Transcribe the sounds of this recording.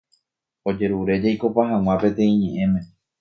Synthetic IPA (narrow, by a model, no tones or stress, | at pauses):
o̞d͡ʒe̞ɾuɾe̞d͡ʒajko̞paɦãŋw̃ãpẽ̞t̪ẽ̞ĩɲẽ̞ʔẽ̞mẽ